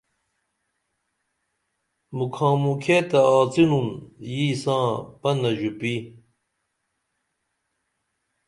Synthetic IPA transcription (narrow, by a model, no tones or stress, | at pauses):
mukʰãːmukʰeːt̪ɐaːt͡sinunjiːsãːpɐnɐʑupi